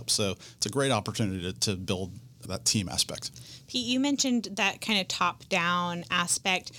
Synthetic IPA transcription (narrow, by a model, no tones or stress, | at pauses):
psoʊɪtsɨɡɹeɪɾɑpə˞tʰʉnɨɾiɾɨɾɨbɪlˠd̪̚ðə̰tʰĩmʔæ̰spɛ̰k̚t̚pʰijɨmɛ̃nʃɨ̃nðɨt̚kʰãɪ̃ndɨ̥tʰɑp̚d̥ãʊ̃næspɛk̚t̚